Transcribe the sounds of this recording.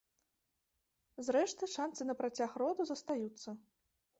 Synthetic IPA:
zɾɛʂt̪ɨʂant̪sɨnɐpɾat͡sʲaxrɔd̪uzɐst̪ajut̪sːɐ

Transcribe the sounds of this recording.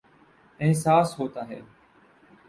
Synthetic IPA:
ɪɦsaːsɦoːt̪aːɦeː

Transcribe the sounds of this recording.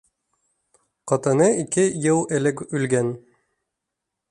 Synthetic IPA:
qɒt̪ɤ̆nɤʔikɘjɤlˠɘ̆lɘkʉlɡæn

